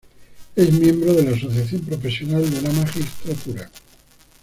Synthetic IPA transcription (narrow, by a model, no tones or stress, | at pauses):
e̞zmjẽ̞mbɾoð̞e̞laːs̬o̞θjaθjo̞mpɾo̞fe̞sjo̞nald̪elamaxist̪ɾat̪uɾa